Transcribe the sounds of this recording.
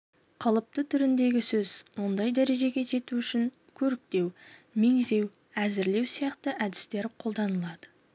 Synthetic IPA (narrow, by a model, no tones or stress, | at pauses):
qʰɑlˠəp̚t̪ət̪ʰʏɾɪnd̪e̞ɡʲɪsɵzwo̞nd̪ɑjd̪æɾe̞ʒe̞ɡʲe̞ʒe̞t̪uʏʃɪŋ | kʲʰɵɾɪk̚t̪e̞wmeŋze̞w | æzɪɾle̞wsijɑqt̪əʔæd̪ɪ̥st̪e̞ɾqʰo̞lˠd̪ɑnəlˠɑd̪̥ə